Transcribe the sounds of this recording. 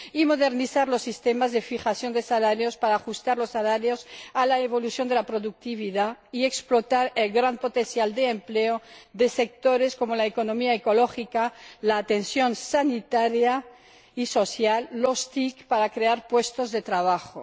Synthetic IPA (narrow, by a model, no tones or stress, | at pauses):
imoðeɾniθaɾlosːist̪emazðefixasjo̞nd̪esalaɾjospaɾaːxust̪aɾlosːalaɾjosalaeβo̞luθjo̞nd̪elapɾoðuk̚t̪iβiðaieksplot̪aɾelɣɾampot̪ensjald̪eːmpleoðesek̚t̪oɾesko̞molaekonomiaekoloxikalaːt̪ensjo̞nsanit̪aɾja | iso̞sjalːost̪ikpaɾakɾeaɾpwest̪ozðet̪ɾaβ̞axo